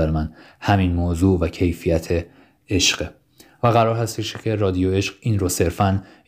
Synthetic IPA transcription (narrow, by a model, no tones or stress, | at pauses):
æɾemæn | hæminmoːzuːʔvæcʰe̞jfijæt̪ʰe | eʃɢ̥e | væɣæɾɒːɾhæst̪eʃcʰe̞rɒːd̪ijoe̞ʃɢ̥iːnrose̞ɾfæn